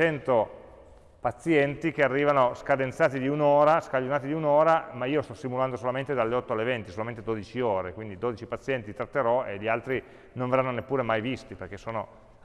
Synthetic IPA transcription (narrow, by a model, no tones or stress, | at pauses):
t͡ʃɛnt̪o | pat̪sːjɛnt̪ik̟earːiːvanoskad̪ent̪saːt̪id̪iunoːɾaskaʎːonaːt̪id̪iunoːɾamaiːost̪ɔsːimuland̪osolament̪ed̪alːeɔt̪ːoalːevɛnt̪i̥solamẽnt̪ed̪oːd̪it͡ʃioːɾekwind̪id̪oːd̪it͡ʃipat̪sːjɛnt̪it̪ɾat̪ːeɾɔeʎialt̪ɾi | nõɱverːanːonepːuːɾemajvist̪iperk̟esoːno